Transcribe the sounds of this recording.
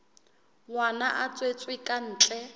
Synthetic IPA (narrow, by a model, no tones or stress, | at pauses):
wanaʔat͡sʼwet͡sʼwɪkʼan̩ːt͡ɬʼɛ